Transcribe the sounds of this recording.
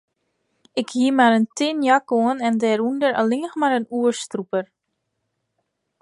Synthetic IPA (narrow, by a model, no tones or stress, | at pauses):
ɪkhiəmaɾəntʰɪnjakoənɛndɛɾundəɾa̰lɪŋəxmaɾənuərstrupər